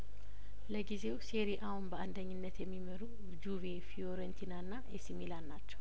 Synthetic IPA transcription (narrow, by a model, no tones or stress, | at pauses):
ləɡize̞wseɾiʔahunbəʔand̪əɲːɪnːət̪jɛmːiməɾu | d͡ʒuvefioɾənt̪ʰinanːaʔɛsimilannːat͡ʃːɛw